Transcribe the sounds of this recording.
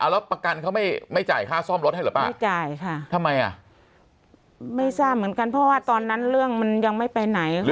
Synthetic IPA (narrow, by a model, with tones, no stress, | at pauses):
ʔa˧˩wlɛː˦˥wpa˧ka˧nkʰa˦˥wma˥˩jma˥˩jt͡ɕa̰ː˨˩jkʰaː˥˩sɔː˥˩mɾo˦˥t̚ha˥˩jlɯː˨˦paː˥˩˥jt͡ɕaː˨˩jkʰa˥˩t̪ʰa˧mːa˧jʔa̰˨˩ | ma˥˩jsaː˥˩p̚mɯ˩˦ənka˧npʰɔ˦˥waː˥˩t̪ɔː˧nːa˦˥nɾɯ˥˩əŋma˧nja˧ŋma˥˩jpa˧jna˩˦j